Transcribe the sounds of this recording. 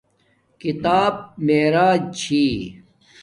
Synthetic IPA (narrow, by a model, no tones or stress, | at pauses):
kit̪aːb̚meːɾaːt͡ɕʰiː